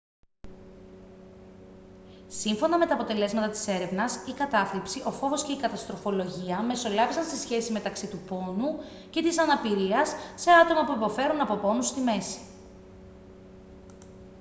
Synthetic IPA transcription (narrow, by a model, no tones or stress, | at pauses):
siɱfo̞nɐme̞t̪ɐːpo̞t̪e̞le̞zmɐt̪ɐt̪i̥se̞ɾe̞vnɐsikɐt̪ɐflipsiʔo̞fo̞vo̞sceikɐt̪ɐst̪ɾo̞fo̞lo̞ʝiɐme̞so̞lɐvisɐnst̪isçe̞sime̞t̪ɐksit̪upo̞nu | ce̞t̪isɐnɐpiɾiɐsːe̞ɐt̪o̞mɐpuipo̞fe̞ɾunɐpo̞po̞nust̪ime̞si̥